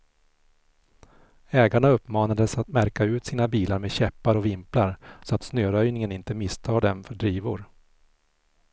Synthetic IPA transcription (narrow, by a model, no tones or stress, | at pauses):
ɛːɡaɳaɵpːmɑːnad̪əsat̪mæɾkaʉ̟ːt̪siːnabiːlaɾmeːd̪ɕɛpːaɾɔvɪmplaɾsɔat̪snøːɾœjnɪŋənɪnt̪əmɪst̪ʰɑːɖɛnfœɖɾiːvʊɾ